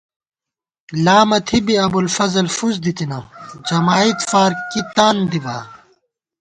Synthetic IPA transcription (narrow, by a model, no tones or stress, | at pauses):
laːmɐt̪ʰibiɐbulfɐzɐlfuzd̪it̪inɐd͡ʑɐmaːit̪faːɾkit̪aːnd̪ibaː